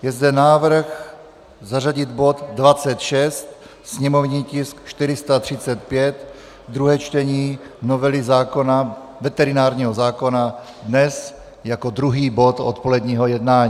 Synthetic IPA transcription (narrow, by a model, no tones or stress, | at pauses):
jɛzd̪ɛnaːvr̩x | zaraɟɪd̪bo̞t̪dvat͡sɛt̪ʃɛst̪ | sɲɛmovɲiːcɪskʃt̪ɪɾɪst̪at̪r̝̥ɪt͡sɛt̪̚pjɛt̪ | d̪ɾuɦɛːt͡ʃt̪ɛɲiː | novɛlizaːko̞na | vɛt̪ɛɾɪnaːɾɲiːɦozaːko̞na | d̪nɛs | jakod̪ɾuɦiːbo̞t̪o̰t̪polɛd̪ɲiːɦojɛd̪naːɲiː